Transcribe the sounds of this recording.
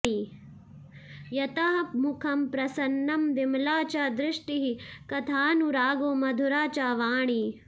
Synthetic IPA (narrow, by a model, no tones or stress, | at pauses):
i | jɐt̪aɦɐpmukʰɐmpɾɐsɐnːɐmd̪imlaːt͡ʃaːd̪ɾɪʂʈiɦikɐt̪ʰaːnuɾaːɡoːmɐd̪ʱuɾaːt͡ʃaːʋaːɳi